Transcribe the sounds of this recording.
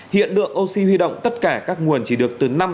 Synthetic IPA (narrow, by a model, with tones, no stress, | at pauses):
hḭ˧˨ənlɨ̰˧˨əŋʔo˧wsi˧hwi˧ɗo̰˧˨wŋ͡mt̪ə˦˥t̚kaː˧˩kaː˦˥k̚ŋu˨˩ənt͡ɕi˧˩ɗɨ˨˩ək̚t̪ɨ˨˩na˧m